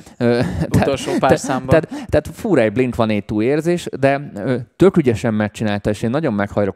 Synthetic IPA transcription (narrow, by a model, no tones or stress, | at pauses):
øɛolʃoːpasamb̪ɛt̪t̪ːɛat̪fuːɾɛjbliŋk̪ʋɒneːt̪ːuːeːrzeːʃd̪ɛøːt̪økyɟɛʃɛmːɛrt͡ʃinaːlt̪ɒeːʃeːnːɒɟo̞mːɛkhɒjlo̞k